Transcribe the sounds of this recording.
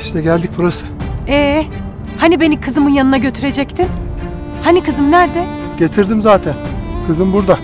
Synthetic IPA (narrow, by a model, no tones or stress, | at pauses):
iʃt̪ʰɛɟælʲd̪ic̚buɾasɯ̥ɛː | hanibe̞nikʰɯzɯmɯnjanɯnaɟø̞t̪ʰyɾe̞d͡ʒɛct̪ʰin | hanikʰɯzɯmnæɾd̪ɪ | ɟ̥et̪ʰiɾd̪imzaːt̪ʰænkʰɯzɯmbuɾd̪a